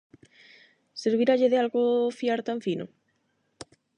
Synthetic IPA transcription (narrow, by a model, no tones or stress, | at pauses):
seɾβiɾaʎeðɪalɣofiaɾt̪aɱfino̰